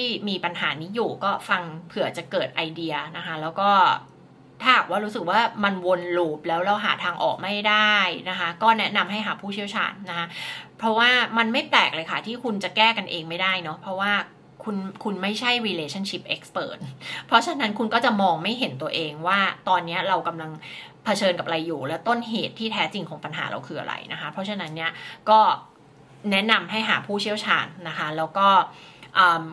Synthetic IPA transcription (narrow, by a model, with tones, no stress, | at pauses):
t̪iː˥˩miː˧pa˧nɦa̰ː˩˦niː˦˥juː˨˩kɔː˥˩fa˧ŋpʰɯ˨˩ɐt͡ɕa˨˩kɤː˨˩t̪̚ʔa˧jdi˧ɐna˦˥kʰa˦˥lɛː˦˥wkɔː˥˩ | t̪ʰaː˥˩haː˨˩k̚waː˥˩ɾuː˦˥sɯ˨˩k̚waː˥˩ma˧nwo˧nluː˦˩p̚lɛː˦˥wɾa˧wɦaː˨˩t̪ʰaː˧ŋʔɔ̰ː˨˩k̚ma˥˩jdaː˥˩jna˦˥kʰa˦˥kɔː˥˩nɛ˦˥na˧mɦa˥˩jɦaː˨˩pʰuː˥˩t͡ɕʰi˥˩əwt͡ɕʰa̰ː˧nːa˦˥kʰa˦˥pʰɾɔ˦˥waː˥˩ma˧nma˥˩jplɛː˨˩k̚lɤː˧jkʰa˦˥˩t̪ʰiː˥˩kʰu˧nt͡ɕa˨˩kɛː˥˩ka˧nʔeː˧ŋma˥˩jda˥˩jnɔ˦˥pʰɾɔ˦˥waː˥˩ | kʰu˧nkʰu˧nma˥˩jt͡ɕʰa˥˩jwiː˧leː˧t͡ɕʰa˥˩nt͡ɕʰi˦˥p̚ʔe˦˥k̚spɤ̰ː˨˩t̪̚pʰɾɔ˦˥t͡ɕʰa˧na˦˥nkʰu˧nkɔː˥˩t͡ɕa˨˩mɔː˧ŋma˥˩jɦe˩˦nt̪u˧ɐʔeː˧ŋwaː˥˩t̪ɔː˧nːi˦˥ɐɾa˧wka˧mla˧ŋ | pʰa˧t͡ɕʰɤː˧nka˨˩p̚ɾa˧jːuː˨˩lɛː˦˥wt̪o˥˩nɦeː˨˩t̪ʰːiː˥˩t̪ʰɛː˦˥t͡ɕi˧ŋkʰɔː˩˦ŋpa˧nɦa̰ː˩˦ɾʔa̰˧wkʰɯː˧ʔa̰˧ɾa̰˧jna˦˥kʰa˦˥pʰɾɔ˦˥t͡ɕʰa˧na˦˥nːi˦˥˩ɐkɔː˥˩ | nɛ˦˥na˧mɦa˥˩jɦa̰ː˩˦pʰuː˥˩t͡ɕʰi˥˩əwt͡ɕʰaː˧nːa˦˥kʰa˦˥lɛː˦˥wkɔː˥˩ʔɤː˨˩m